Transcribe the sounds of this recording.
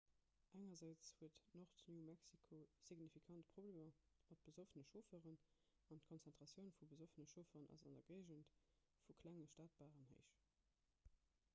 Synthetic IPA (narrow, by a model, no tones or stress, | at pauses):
ʔæŋɐzæɪt͡shuətnoχtnjuːmæksikʰosiɡnifikʰɑntpʁ̥obleːmɐmɑt̚b̥əzofənəʃofəʁən | ɑntkʰonsɛntʁ̥ɑsjəʊnfubəzofənəʃofəʁənʔɑ̰zɑ̰ndɐɡɜɪʒənt | fukʰlæŋəʃtaːt̚b̥aːʁənɦə̰ɪʃ